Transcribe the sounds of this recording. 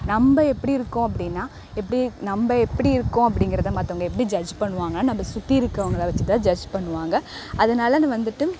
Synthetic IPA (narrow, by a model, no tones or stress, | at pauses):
nɐmbɐɛpːɐɽiɪɾɯkːõɐp̬ːɐɽɪnːaː | ɛp̬ːɐɽinɐmbɐɛpːɐɽiɪɾɯkːõɐp̬ːɐɽɪŋɡɪɾɐðɐmaːt̪ːɐŋɡɐɛpːɐɽid͡ʒɐd͡ʒpɐɳːɯʋaːŋɡɐnːaːnɐmbɐsʊt̪ːiɪɾɯkːɯɐʋɐŋɡɐɭãːʋɐt͡ʃːɯt̪ãːd͡ʒɐd͡ʒpɐɳːɯʋaːŋɡɐ | ɐðɐnaːlɐnɯ̃ʋɐnd̪ɯʈːɯ